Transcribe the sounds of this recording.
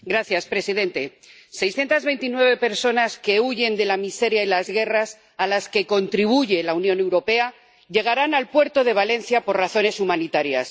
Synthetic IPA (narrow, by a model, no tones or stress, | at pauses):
ɡɾaθjaspɾe̞siðe̞nt̪e̞ | se̞jsθje̞nt̪azβe̞jnt̪inwe̞β̞e̞pe̞ɾso̞naske̞uʝe̞nd̪e̞lamise̞ɾjailazɣe̞ras | alaske̞ko̞nt̪ɾiβ̞uʝe̞launjõ̞ne̞wɾo̞pe̞a | ʎe̞ɣaɾanalpwe̞ɾt̪o̞ðe̞β̞ale̞nθjapo̞ɾraθo̞ne̞sumãnit̪aɾja̰s